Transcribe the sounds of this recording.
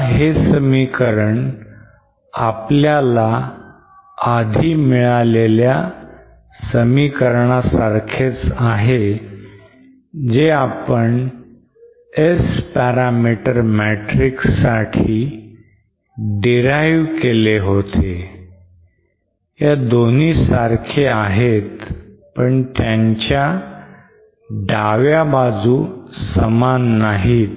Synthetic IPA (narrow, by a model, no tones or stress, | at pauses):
ɦesəmikəɾəɳ | apljala | ad̪ʱiːmiɭalelja | səmikəɾɳasaɾkʰet͡saɦe | d͡zeapəɳ | espɛɾamiʈəɾmɛʈɾiksaʈʰiː | ɖiɾajʋkeleɦot̪e | jad̪on̤iːsaɾkʰeaɦet̪ | pəɳt̪jãɲt͡ɕja | ɖʱaʋjabad͡zuːsəmanːaɦiːt̪